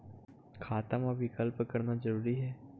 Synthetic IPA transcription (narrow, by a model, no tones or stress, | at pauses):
kʰaːt̪əmɐbʱikəlpkɐɾnazɐɾuːɾiɦɛː